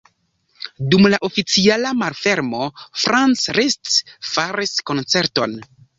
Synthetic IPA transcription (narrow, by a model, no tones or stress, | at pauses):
dumlaʔo̞fit͡sialamalfe̞ɾmo̞fɾant͡sɾestfaɾisko̞nt͡se̞ɾto̞n